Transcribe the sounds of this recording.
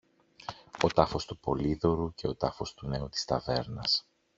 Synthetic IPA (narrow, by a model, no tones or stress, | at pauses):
o̞t̪ɐfo̞st̪upo̞liðo̞ɾuce̞o̞t̪ɐfo̞st̪une̞ut̪i̥st̪ɐve̞ɾnɐs